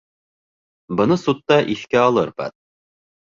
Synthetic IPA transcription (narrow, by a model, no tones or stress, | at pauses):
bɤ̆nɤsut̪ːɑʔiθkæɒlˠɤɾpæ̰t̪̚